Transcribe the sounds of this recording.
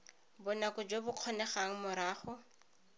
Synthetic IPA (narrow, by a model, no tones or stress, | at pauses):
bʊnakʊd͡ʒwebʊq͡χʰɔnɛχaŋ̩mʊɾaːχʊ